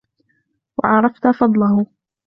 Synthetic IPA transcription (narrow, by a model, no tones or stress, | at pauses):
wa̰ʕɑɾˤɑft̪afɑd̪ˤlɑhʊ